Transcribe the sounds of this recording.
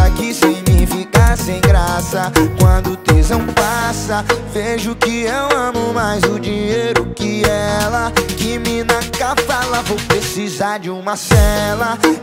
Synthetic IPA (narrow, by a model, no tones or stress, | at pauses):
ɐkɪsiɡnifikaɾsẽj̃ɡɾasɐkwɐ̃nd̪ʊt̪ezɐ̃w̃pasɐveʒʊkɪewɐ̃mʊmajzʊd͡ʒiɲejɾʊkɪɛlɐkɪmɪnɐkavɛlɐvowpɾesizaɾd͡ʒɪũmɐsɛlɐ